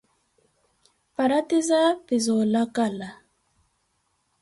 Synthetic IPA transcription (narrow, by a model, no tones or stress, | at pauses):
paɾatizapizɔlakala